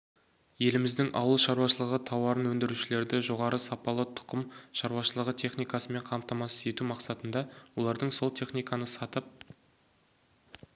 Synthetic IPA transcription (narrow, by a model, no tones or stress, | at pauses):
je̞lɪmɪzd̪ɪŋʔɑ̰wəlˠʃɑɾwɑʃəlˠəʁət̪ʰɑwɑɾənwɵnd̪ɪɾuʃɪle̞ɾd̪ɪʒo̞ʁɑɾəsɑpɑlˠət̪ʰʊ̥qəmʃɑɾwɑʃəlˠəʁət̪ʰe̞χnijkɑsəme̞ɴqʰɑmpt̪ɑmɑsə̥ze̞t̪umɑqsɑt̪ənd̪ɑwo̞lˠɑɾd̪əɴso̞lˠt̪ʰe̞χnijkɑnəsɑt̪əp̚